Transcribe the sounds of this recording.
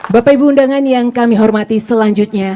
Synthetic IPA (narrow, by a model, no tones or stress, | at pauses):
bapajbundaŋanjaŋkamiɦɔrmat̪isəlaɲd͡ʒut̪̚ɲa